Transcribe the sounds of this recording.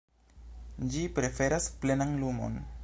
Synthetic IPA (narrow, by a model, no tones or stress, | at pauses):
d͡ʒipɾe̞fe̞ɾasple̞naŋlumo̰n